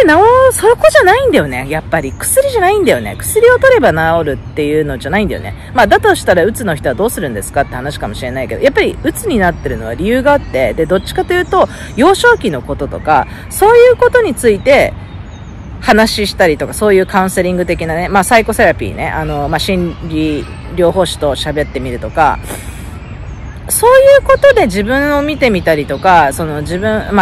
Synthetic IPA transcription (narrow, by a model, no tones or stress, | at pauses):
naosooko̞ʑanaĩnd̪ajo̞ne̞japːaɾʲikɯ̟̥sɨɾʲiʑanaĩnd̪ajo̞̰ne̞̰kɯ̟̥sɨɾʲio̞t̪o̞ɾe̞banao̞ɾɯ̟t̪ːe̞jɯ̟ːno̞ʑanaĩnd̪a̰jonḛ | mad̪at̪o̞ɕi̥t̪aɾaɯ̟t͡sɨno̞çi̥t̪o̞βad̪o̞ːsɨɾɯ̟̃nd̪e̞sɨ̥kat̪ːe̞hanaɕi̥kamo̞ɕiɾe̞naike̞d̪o̰japːaɾʲiɯ̟t͡sɨɲ̟inat̪ːe̞ɾɯ̟no̞β̞a̰ɾʲijɯ̟ːɡaːt̪ːe̞d̪e̞d̪o̞tt͡ɕːi̥kat̪ojɯ̟ːt̪o̞ | jo̞ːɕo̞ːkʲino̞ko̞t̪o̞t̪o̞ka̰ | so̞ːjɯ̟ːko̞t̪o̞ɲ̟it͡sɨit̪e̞ | hanaɕiɕi̥t̪aɾʲit̪o̞kaso̞ːjɯ̟ːkãɯ̟̃se̞ɾʲĩŋɡɯ̟t̪e̞kʲinane̞maːsaiko̞se̞ɾapʲḭːne̞̰ʔano̞maɕĩnɾʲi | ɾʲo̞ːɦo̞ːɕi̥t̪o̞ɕabe̞t̪ːe̞mʲiɾɯ̟t̪o̞ka̰ | so̞ːjɯ̟ːko̞t̪o̞d̪e̞d͡ʑibɯ̟̃ɰ̃o̞mʲit̪e̞mʲit̪aɾʲit̪o̞kaso̞no̞d͡ʑibɯ̟̃ɰ̃ma